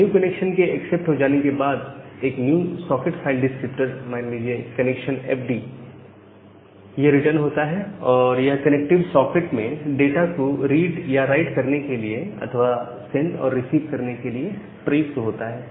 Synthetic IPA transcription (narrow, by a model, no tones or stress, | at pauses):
njuːkɐnekʃənkeɐksɛp̚ʈɦod͡ʒaːnekebaːd̪eːknjuːsɔːkɪʈfʰaɪlɖɪskɾɪpʈəɾmaːnliːd͡ʒiekɐnɛkʃənɛ̰ːfʰɖi | jeɾɪʈəɾnɦoːt̪aɦɛɔːɾjɐɦkɐnɛk̚ʈɪʋsɔːkɪʈmẽɖeːʈakoɾiːɖjaɾaɪʈkɐɾnekelieɐ̰t̪ʰəʋa | sẽɳɖɔ̰ːɾːɪsiːʋkɐɾnekelie | pɾesʈɦoːt̪aɦɛː